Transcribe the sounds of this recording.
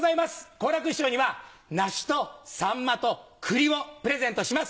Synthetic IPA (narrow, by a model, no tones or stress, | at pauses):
zaimasɨ̥ko̞ːɾakɯ̟ɕoːɲ̟iβanaɕi̥t̪o̞sãmːat̪o̞kʰɯ̟ɾʲio̞pɯ̟ɾe̞zẽ̞nt̪o̞ɕimas